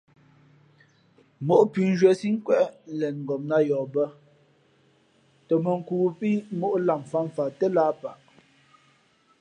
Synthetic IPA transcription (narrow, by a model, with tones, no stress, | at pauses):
mo˦ʔpi˨˦n̩˦d͡ʒə˨˦si˦ŋ̩˦kwɛ˦ʔn̩˦lɛ˨nŋ̩˨ɡɔ˨m̚na˦jɔː˨bə˦ | tɔ˨mə˨ŋ̩˨kuː˨pi˦mo˦ʔla˨m˨fa˦˨m˨fa˨tə˦la˦pa˨ʔ